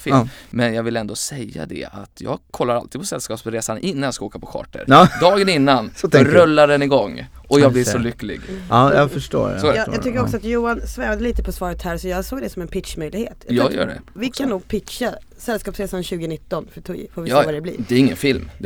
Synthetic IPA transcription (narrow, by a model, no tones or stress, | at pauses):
fɪmmɛnjɑɡvɪlɛnd̪ɔsɛjːa̰d̪ɛ̰a̰t̪ʰjɑ̰ːɡkʰɔlːaɾa̰lt̪ʰid̪pʰɔsɛlskɑːpsɾeːsanʔɪnːajɑːskaoːkapʰɔkʰɑ̰ːʈə̰ɾd̪ɑːɡənɪnːansɾœlːaɖɛnɪɡɔŋː | ʔɔjɑɡblɪsɔlʏkːlɪ̰ɡɑ̰fəʂʈo̰ːsɔɛɾjjɑʏkːəɾɔksɔat̪juːansvɛːvad̪əliːt̪əpʰɔsvɑːɾət̪hæːɾsɔjɑːɡsoːɡd̪ɛsɔmɛnpʰɪt̪ʂmœjlɪɡhḛːt̪ja̰jɑːɡjjœ̰ːɖɛ̰vɪkʰanːuːɡpʰɪt̪ʂa | sɛlskɑːpsɾeːsanɕʉ̟ːɡɪnɪt̪ːɔnfœʈ̪ʰʊj̰foːvɪsːvad̪ɛblḭːɾd̪ɛɾɪŋːənfɪlm